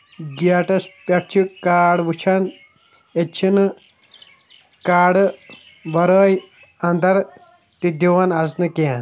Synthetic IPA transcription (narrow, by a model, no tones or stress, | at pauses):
ɡiaʈɐspʲɐʈ̚t͡ʃʰikaːɽʋut͡ʃʰan | et͡ʃʰin | kaːɽ | ʋɐɾəːj | ɐnd̪ɐɾ | t̪id̪iʋɐnasnɨken